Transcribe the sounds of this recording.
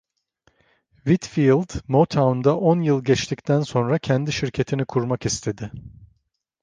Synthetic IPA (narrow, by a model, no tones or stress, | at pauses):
vit̪filˠd̪mot̪ʰawnd̪aʔonjɯlˠɟɛt͡ʃt̪ʰict̪ʰænso̞nɾacʰɛnd̪iʃiɾcʰe̞t̪ʰinikʰuɾmakist̪ʰe̞d̪ɪ